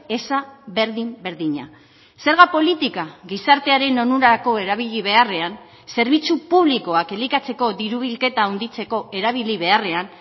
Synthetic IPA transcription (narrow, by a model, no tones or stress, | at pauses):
e̞saβe̞ɾðimbe̞ɾðiɲa̰ | se̞ɾɣapo̞lit̪ikaɣisaɾt̪e̞aɾe̞no̞nuɾaako̞e̞ɾaβ̞iʎiβe̞are̞an | se̞ɾβ̞it͡supuβliko̞ake̞likat͡se̞ko̞ðiɾuβilke̞t̪aund̪it͡se̞ko̞ʔe̞ɾaβ̞iliβ̞e̞are̞an